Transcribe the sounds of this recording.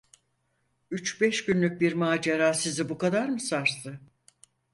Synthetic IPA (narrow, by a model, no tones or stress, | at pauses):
yt͡ʃbɛʃɟynlʲyc̚biɾmaːd͡ʒeɾaːsizibukad̪aɾmɯsaɾsɯ